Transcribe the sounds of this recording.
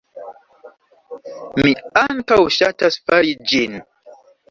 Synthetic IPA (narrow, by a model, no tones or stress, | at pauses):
miaŋkawʃatasfaɾid͡ʒin